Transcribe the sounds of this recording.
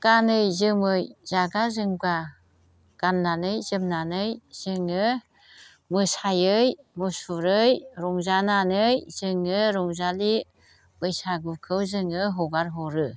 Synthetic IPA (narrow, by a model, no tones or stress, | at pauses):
ɡ̥anɯjzɯmɯjz̥aɡazɯŋba | ɡ̥anːanɯjzɯmnanɯjz̥ɯŋɯ | mɯsajɯj | musuɾɯjɾɔŋzananɯjz̥ɯŋɯɾɔŋzali | bɯjsaɡukʰɯwzɯŋɯɦɔɡaɾɦɔɾɯ